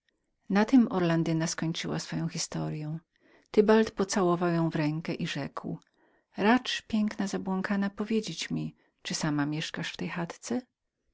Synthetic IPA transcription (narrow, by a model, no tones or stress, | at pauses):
nat̪ɪmɔɾland̪ɘnaskɔɲt͡ʂɘwa̰sfɔjɔ̃w̃xʲist̪ɔɾjɔ̃w̃ | t̪ɘbalt̪pɔt̪sawɔvawjɔ̃w̃vɾɛŋkɛʔiʐɛkw | ɾat͡ʂpʲjɛŋknazabwɔŋkʰanapɔvʲjed͡ʑet͡ɕmʲi | t͡ʂɨsamamʲjɛʂkaʂft̪ɛjxat̪t̪sɛ